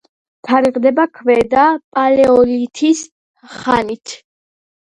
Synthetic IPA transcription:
t̪ʰaɾiʁd̪ɛbakʰvɛd̪apʼalɛɔlit̪ʰis | χanit̪ʰ

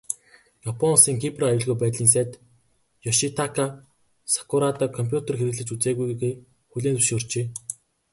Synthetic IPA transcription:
japʰɔnsiːŋkʰiprɔajʊːɮɣujpæːt̪ɮiːns̬æt̪ | jɔʃit̪ʰakʰa | sḁkʰʊɾat̪aːkʰɔmpʰʲjut̪erxeɾɘ̆ɣɮɘ̆t͡ɕut͡seːɣujɣeː | xuɮʲeːnt͡su̥ʃoːr̥t͡ɕeː

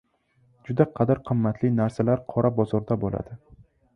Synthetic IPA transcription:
d͡ʒʊd̪aqʰɑd̪ɪɾqʰɨmːat̪ʰlɪnaɾsalaɾqʰɒɾabɒzɒɾd̪abola̰d̪̥ɪ

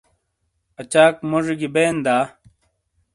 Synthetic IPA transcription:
ɐt͡ɕaːkmoʐiɡibeːnd̪aː

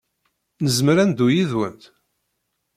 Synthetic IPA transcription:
nəzmɾænd̪ujiðwə̰nt̪

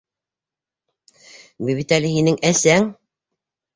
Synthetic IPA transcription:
biβit̪ælɘɦinɘŋæsæŋ

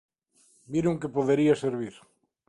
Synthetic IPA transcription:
biɾuŋkepoðeɾiaseɾβ̞iɾ

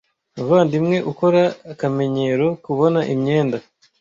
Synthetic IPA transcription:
uvaːndimŋe̞ʔuko̞ɾaːkame̞ɲe̞ɾo̞kuβo̞naʔimɲe̞ːnda

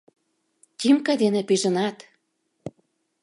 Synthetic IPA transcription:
t̪ʲimkɑd̪enĕpiʒə̆nɑt̪

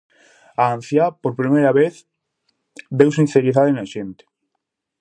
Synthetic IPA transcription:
aan̟θjapoɾpɾimejɾaβeθ | bews̬ĩn̟θeɾiðaðenaʃent̪e̥

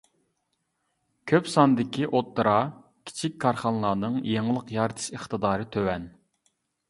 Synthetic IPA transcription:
kʲʰøpsɑnd̪ɪkʲʰiʔot̪ːɨɾɑ | kʲʰi̥t͡ʃʰikʲkʰːɑɾχɑnlˠɑːnɨŋjeŋəlˠəqjɑɾd̪ɨ̥ʃəχt̪ɨd̪ɑːɾɨt̪ʰøwɛn

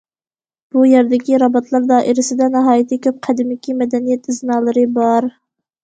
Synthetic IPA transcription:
b̥ujeɾd̪ɪkʲiɾɑbɑt̪ʰlˠɑɾd̪ɑːʔiɾɪsɪd̪ɛnɑɦɑːjit̪ʰɪkʲʰøp̚qʰæd̪ɪmɪkʲimɛd̪ɛnijɛt̪iznɑːlˠɨɾɨbɑɾ

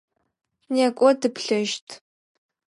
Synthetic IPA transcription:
nekʷʼɔdɨpʰɬɨʒtʰ

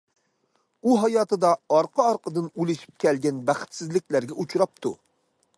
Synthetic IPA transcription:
uɦɑjɑːt̪ʰɨd̪ɑɑɾqʰɑɑɾqəd̪ɨnulɪʃi̥p̚kʲɛlɡʲɛnbæχɪ̥t̪sɪzlɪkʲlæɾɡʲɛut͡ʃʰɾɑp̚t̪ʰṵ

